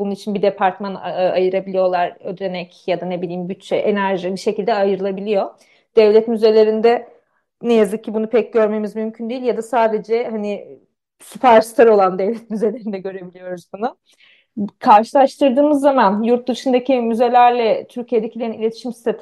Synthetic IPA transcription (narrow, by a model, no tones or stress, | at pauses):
bununit͡ʃʰinbid̪epʰaɾt̪manajɯɾabilʲijo̞lˠaɾød̪ɾe̞nɛcjad̪ane̞bilʲiːmɟyt͡ʃt͡ʃɛʔenæɾʒibiʃe̞cilʲd̪ɛajɯɾɯlˠabilʲijo̞ | d̪̥ɛvlʲɛt̪myze̞lʲe̞ɾind̪ɛ | nejazɯk̚cʰːibunupʰɛc̚ɟø̞ɾme̞mizmymcʰynd̪eilʲjad̪asaːd̪e̞d͡ʒɛhani | sɯpaɾst̪ʰaɾo̞lˠand̪ɛvlʲɛt̪̚myzelʲe̞ɾind̪ɛɟø̞ɾe̞bilʲijo̞ɾuzbunʊ | kʰaɾʃɯlˠaʃt̪ʰɯɾd̪ɯːmɯzːamanjuɾt̪̚d̪ɯʃɯnd̪acʰimyze̞lʲæɾlʲɛt̪ʰyɾcʰijed̪ecʰilʲeɾinilʲe̞t̪ʰi̥ʃimsi̥t̪ʰat̪